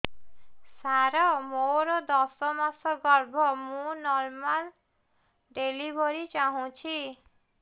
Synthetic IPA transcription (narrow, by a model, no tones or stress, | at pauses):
saɾɔmoɾɔd̪ɔsɔmasɔɡɔɾbʱɔmũnɔɾmal | ɖelibʱɔɾit͡ʃaɦũt͡ʃʰi